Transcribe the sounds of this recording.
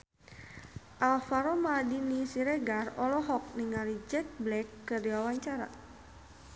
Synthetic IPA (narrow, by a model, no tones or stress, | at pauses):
ʔalfaɾɔmadinisiɾɛɡarɔlɔɦɔk̚niŋaɾid͡ʒɛk̚blɛkːərdiwawaɲt͡ʃaɾa̰